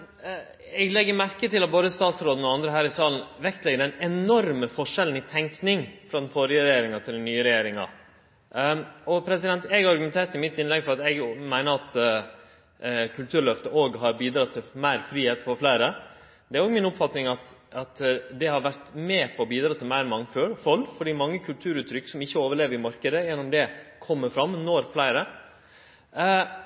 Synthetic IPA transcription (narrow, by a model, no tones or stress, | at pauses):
ɛɡlɛɡːəɾmæɾkət̪ɪlɑt̪̚boːd̪əst̪ɑːt̪sɾoːd̪n̩ɔɑnd̪ɾəɦæːɾɪsɑːlən̩ʋɛkt̪lɛɡːəɾæɪnɛnɔɾməfɔʂɛln̩ɪt̪ʰɛŋknɪŋfɾɑːd̪ɛnfɔɾɪəɾɛjeːɾɪŋɑt̪ʰɪld̪nyːəɾɛjeːɾɪŋɑ̰ | ɔpʰɾɛsɪd̪ɛnt̪ɛɡɾɑɾɡʉmɛnt̪ʰeːʈ̪ɪmɪt̪ːɪnlɛɡfɔɾɑt̪ɛɡmæɪnəɾɑt̪ | kʰʉlt̪ʰʉːɾɭœft̪əʔoːɡɦɑɾbiːd̪ɾɑt̪ʰːɪmæɪɾfɾiːheːt̪fɔɾflæɪɾə | d̪ɛæɾoːɡmɪnʊpfɑt̪nɪŋɑt̪ɑt̪d̪ɛhɑɾʋæɾʈ̪mɛːpʰɔːbiːd̪ɾɑːt̪ʰɪlmæɪɾmɑŋføːɾfɔlːfɔɖiːmɑŋːəkʰʉlt̪ʰʉːɾʉːt̪ːɾʏkːsɔmɪçːəoːʋəɭeːʋəɾɪmɑɾkəd̪əjɛnːʊmd̪ɛkʰɔmːəfɾɑmːnɔɾflæɪɾə